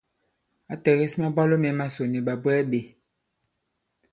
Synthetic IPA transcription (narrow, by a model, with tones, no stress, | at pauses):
a˨tɛ˨ɣe˦si˦mã˦ba˦lo˦mɛ˨˦mã˦so˨ni˨ɓa˨bwɛ˦ɓe˨